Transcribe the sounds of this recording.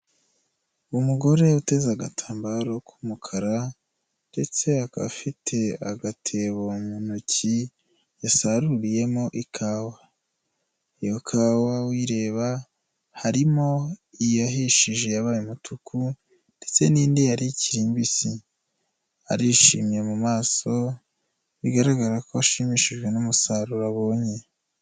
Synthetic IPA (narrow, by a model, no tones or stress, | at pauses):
muɡo̞ɾe̞ute̞zaɡa̰tʰaːmbaɾo̞kʰumukʰaɾa | nde̞t͡se̞aka̰fitʰe̞aɡatʰe̞βomunuci | jasaɾuɾije̞mo̞ʔikʰaːwa | ijokʰaːwawiːɾe̞ːβa | haɾimo̞ijaɦiʃiʒe̞jaβaːjumutʰukʰu | nd̥e̞t͡se̞niːndijaɾiciɾiːmbisi | a̰ɾiʃimje̞mumaːso̞ | βiɡaɾaɡaɾakoaʃimiʃiʒɡwe̞numusaɾuɾaβo̞ːɲe